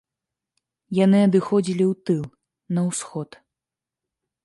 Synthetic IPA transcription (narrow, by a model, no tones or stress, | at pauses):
janɨɐd̪ɨxɔd͡zʲilʲiwt̪ɨlˠ | nɐwsxɔt̪